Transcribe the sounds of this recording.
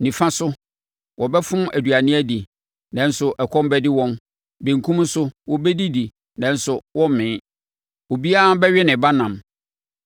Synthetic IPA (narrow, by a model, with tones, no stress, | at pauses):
nĩ˨fã˦sʊ˦ | wɔ˨bɛ˦fʊ̃˦mæ˨dɥa˨nɪ̃˦æ˦di˨ | nɛ̃˨n̩˦sʊ˨ʔɛ˨kʰɔ̃˦mbɛ˦dɪ˦wɔ̃˦m | be˨ŋ˨kʰũ˦m˦n̩˦sʊ˦wɔ˦bɛ˦di˦di˨ | nɛ̃˨n̩˦sʊ˨wɔ̃˦m˨mɪ̃ː˨˦ | o˨bi˦a˦a˦bɛ˦ɥɛ˦nɪ̃˨ba˦nã˨m